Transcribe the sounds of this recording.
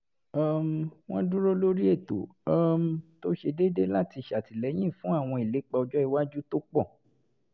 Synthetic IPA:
a˦˨mw̃ɔ̃˦dũ˦ɾo˦lo˦ɾi˦e˦˨to̰˨a˨m˦to˦ʃe˧de˦de˦la˦ti˧˨ʃa˨ti˨lɛ˨˦j̃ĩ˦˨fũ˦a˦˨w̃ɔ̃˧i˨le˨˦k͡pa˧ɔ˧d͡ʒɔ˦i˧wa˦d͡ʒu˦to˦k͡pɔ̃˦˨

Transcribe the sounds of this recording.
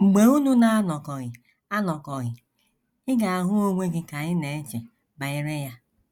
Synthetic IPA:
ŋ͡m̩˨ɡ͡be˨u˦nu˦na˦a˦nɔ˨kɔ˨ɣɪ˨ | a˦nɔ˨kɔ˨ɣɪ˨ | ɪ˦ɡa˨a˨ɦʊ˦o˦ŋʷe˦ɡɪ˦ka˨ɣɪ˦ne˨˦t͡ʃe˨ | ba˨e˦ɾe˦ja˦

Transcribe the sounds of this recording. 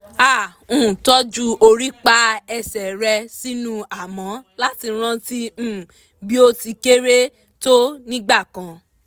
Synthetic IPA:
ã˦˨˦ | tɔ˦d͡ʒu˦o˧ɾi˦k͡pa˦ɛ˧sɛ˨ɾɛ˧si˦nũ˦a˦˨mã˨˦la˦ti˧ɾ̃ã˦˧tĩ˧˨ | bi˦o˧ti˧ke˦ɾe˦ | to˦nĩ˦ɡ͡ba˦˨kã˧˦

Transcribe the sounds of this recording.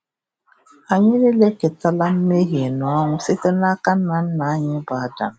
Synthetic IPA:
a˨ɲɪ˦le˦le˦ke˨ta˦la˦m̩˦me˦ɦje˨nɔ˨a˦ŋʷʊ˨sɪ˦te˦n˦a˦ka˦n̩˦a˨n̩˦na˨a˦ɲɪ˦ba˨a˨da̰˨m˨˦

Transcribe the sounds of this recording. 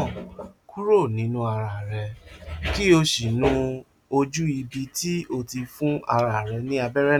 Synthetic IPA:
ku˦ɾo˦˨nĩ˨˦nũ˦a˧ɾa˨ɾɛ˧ki˦o˧ʃi˨nũ˨˦ | o˧d͡ʒu˦i˧bi˧ti˦o˧ti˧fũ˦a˧ɾa˨ɾɛ˧nĩ˦a˧bɛ˦ɾɛ˦

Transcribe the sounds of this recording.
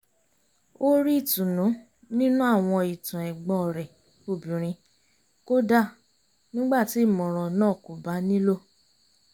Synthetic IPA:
o˦ɾi˦i˦˨tũ˨nũ˨˦ | nĩ˦nũ˦a˦˨w̃ɔ̃˧i˨tã˨ɛ˨ɡ͡bɔ̃˧˨ɾɛ˨ | o˨bĩ˨ɾ̃ĩ˧ | ko˦da˦˨ | nĩ˦ɡ͡ba˦˨ti˨˦˨mɔ̃˨ɾ̃ɔ̃˨nãː˦˨ko˨ba˨˦nĩ˦lo˦˨

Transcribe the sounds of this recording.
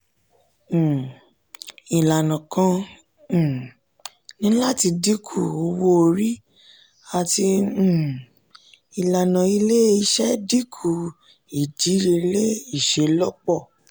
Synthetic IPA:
i˨la˨nã˨kã˧˦˨ | nĩ˦la˦ti˧di˦kʰu˦˨o˧wo˧o˧ɾi˦ | a˨tĩ˧˨ | i˨la˨nã˨i˧le˦i˧ʃɛ˦di˦kʰu˨ | i˨d͡ʒi˨˦ɾi˧le˦i˦˨ʃe˨˦lɔ˦k͡pɔ˦˨

